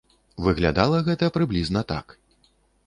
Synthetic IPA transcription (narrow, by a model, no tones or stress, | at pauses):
vɨɣlʲa̰d̪alˠɐɣɛt̪ɐpɾɨblʲiznɐt̪a̰k